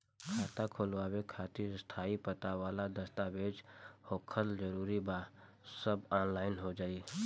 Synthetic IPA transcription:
kʰaːt̪akʰoːlʋaːwekʰaːt̪ist̪ʰaːipət̪aʋaːlad̪əst̪abeːd͡ʒhoːkʰəld͡ʒəɾuːɾiba | səbaːnlaːɪnɦod͡ʒaːiː

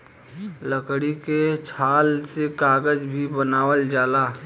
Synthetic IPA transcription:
ləkɽiket͡ʃʰaːlsekaːɡəd͡ʒbʱibənaːwəld͡ʒaːlaː

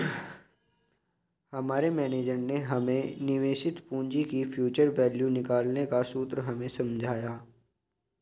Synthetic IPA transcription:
hɐmaːɾemɛːneːd͡ʒəɾneɦɐmẽnɪʋeːʃɪt̪pũːɲd͡ʒikifʰjuːt͡ʃəɾʋɛːljũnɪkaːlnekasuːt̪ɾəɦɐmẽsɐ̃md͡ʒʱaːjaː

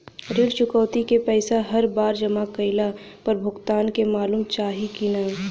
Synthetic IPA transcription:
ɾɪɽt͡ʃʊkəːt̪ikepɛːsaɦɐɾbaːɾd͡ʒɐmakəɪla | pɐɾbʱʊɡt̪aːnkemaːluːmt͡ʃaːɦikinaː

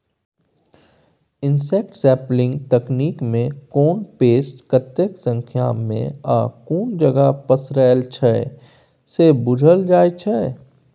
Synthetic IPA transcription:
ɪnsek̚ʈsɛːplɪ̃ŋɡt̪ɐkniːkmẽkoːnpeːsʈkət̪jəksə̃ŋkʰja̰ːmːḛ̃aːkuːnd͡ʒəɡapəsɾɛːlt͡ʃʰɛ | sebʊd͡ʒʱəld͡ʒaːjt͡ʃʰɛ

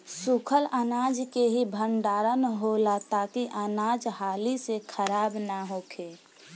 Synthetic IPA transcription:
sukʰələnaːd͡ʒkeɦibʱəɳɖaːɾənɦolat̪aːkiʔanaːd͡ʒɦaːlisekʰəɾaːbnaɦoːkʰeː

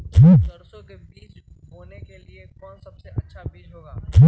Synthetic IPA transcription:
ʈʰiːk̪ɐɾsõkebiːs | ɦoːnekeliekɔːnsɐbseʔɐtːʃʰabiːd͡ʒɦoːɡaːʈʰiː

